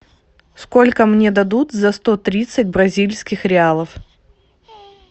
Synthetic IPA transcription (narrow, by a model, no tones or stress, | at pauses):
sko̞lʲkəmnʲe̞d̪ɐd̪ut̪zɐst̪o̞t̪ɾʲit̪sɨt̚ʲbɾɐzʲilʲsʲkʲɪxɾʲɪalˠəf